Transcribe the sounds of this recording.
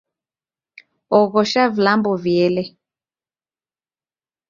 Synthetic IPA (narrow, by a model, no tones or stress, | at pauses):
ɔɣɔʃavlambɔvjɛlɛ